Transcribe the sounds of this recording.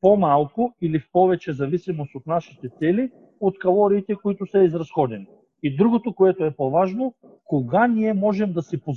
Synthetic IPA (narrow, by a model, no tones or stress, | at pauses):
pomalˠkʊilifpɔvɛt͡ʃɛzɐvisimost̪ot̪naʃi̥t̪ɛt̪sɛli | ot̪kɐlˠɔɾiːt̪ɛkoit̪ʊsɐizɾɐsxɔd̪ɛni | id̪ɾuɡot̪okoɛt̪oɛpovaʒno | koɡanʲiɛmɔʒɛmd̪ɐsɛpo